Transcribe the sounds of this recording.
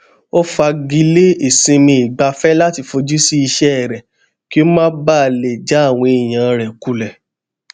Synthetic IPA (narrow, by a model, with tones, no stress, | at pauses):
o˦fa˧ɡi˧le˦e˨sĩ˧mĩ˧i˨ɡ͡ba˧fɛ˦la˦ti˧fo˧d͡ʒu˦si˦i˧ʃɛ˦ɛ˨ɾɛ˨ | ki˦o˦mãː˦ba˦˨le˨d͡ʒa˨˦˨w̃ɔ̃˧e˨j̃ã˨˧ɾɛ˨ku˨lɛ˨